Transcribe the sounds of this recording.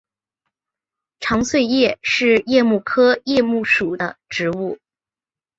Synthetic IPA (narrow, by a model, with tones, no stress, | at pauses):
ʈ͡ʂʰɑ˧˥ŋswe˥˧ɪjɛ˥˧ʂɻ̩˥˧jɛ˥˧mu˥˩kʰɤ˥jɛ˥˧mu˥˩ʂu˨˩d̪ə̰˦ʈ͡ʂɻ̩˧˥u˥˩